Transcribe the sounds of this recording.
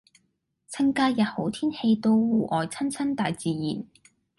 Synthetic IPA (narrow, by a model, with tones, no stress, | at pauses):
t͡sʰɐ˥ŋkaː˧jɐ˨t̚ho˨˥wt̪ʰiː˥nhe˧jt̪o˧wwuː˨˧ʔɔː˨˩jt͡sʰɐ˥nt͡sʰɐ˥nt̪aː˨jt͡siː˨˩jḭː˨˩n